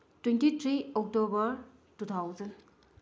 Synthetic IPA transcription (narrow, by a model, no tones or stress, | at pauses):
twentitʰɾiɔk̚tobɐɾ | tut̪ʰawzɐn